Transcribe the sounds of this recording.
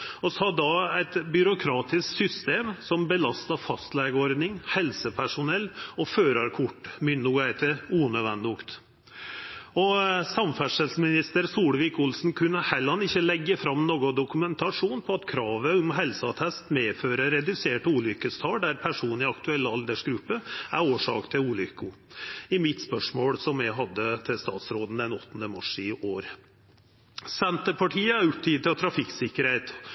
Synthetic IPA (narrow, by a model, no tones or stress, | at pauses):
ɔsɑd̪ɑæɪt̪bʏɾʊkʰɾɑːt̪ɪsksʏst̪eːmsɔmbəlɑst̪ɑfɑst̪lɛːɡəɔɾd̪nɪŋhɛlsəpʰæʂʊnɛlːɔføːɾɑɾkʰʊʈːmʏnːuːɡæɪt̪ʰəuːnəʋɛnd̪ʊkt̪ | ɔsɑmfæʂəlsmɪnɪst̪əɾsuːlʋɪkʊlsnkʰʉnːəhɛlːɑnɪçːəlɛɡːəfɾɑmnoːɡɔd̪ʊkʉmɛnt̪ʰɑʂuːnpʰɔɑt̪kʰɾɑːʋəʊmɦɛlsət̪ʰɛst̪meːføːɾəɾːɛd̪ʉseːʈuːlʏkːəst̪ʰɑːlɖ̪æɾpʰæʂuːnɪɑkt̪ʉɛlːɑld̪əʂɡɾʉpːəæɾoːʂɑ̰ːkt̪ʰɪluːlʏkːʊɪmɪt̪spœʂmoːɽsɔmjæɪɦɑd̪ːət̪ʰɪlst̪ɑ̰ːt̪sɾoːd̪n̩d̪ɛnɔt̪ːn̩d̪əmɑʂɪoːɾ | sɛnt̪əpʰɑʈʰiːəæɾʉp̚t̪ʰiːd̪t̪ɪt̪ʰɾɑfɪksɪkːəɾhɛɪt̪